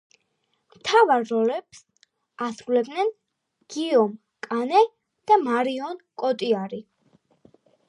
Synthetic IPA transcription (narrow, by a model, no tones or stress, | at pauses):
mt̪ʰavaɾːɔlɛps | asɾulɛb̚d̪nɛn | ɡ̥iɔm | kʼanɛ | d̪̥amaɾiɔnkʼɔt̪ʼiaɾi